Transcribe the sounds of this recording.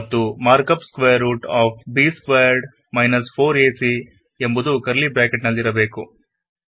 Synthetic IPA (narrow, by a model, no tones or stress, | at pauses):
ɐt̪ːumaːɾkɐpskʋeːjɐɾːuːʈaːp̚biːskʋeːjɐɾɖ | mɐjnɐspʰoːɾeːsi | embud̪ukɐɾlibɾaːkeʈnɐlːiɾɐbe̞ːku